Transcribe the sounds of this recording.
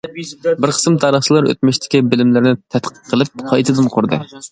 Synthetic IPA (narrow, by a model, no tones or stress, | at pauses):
bɪɾqʰə̥smt̪ʰɑɾəχt͡ʃʰilˠɑɾø̰t̪̚mɪʃt̪ʰɪ̥kʲibɪlɪmlɪɾnɪt̪ʰɛt̪qʰə̥qʰːəlˠɨp̚qʰɑjt̪ʰɨd̪ɨnqʰoɾd̪ɨ̰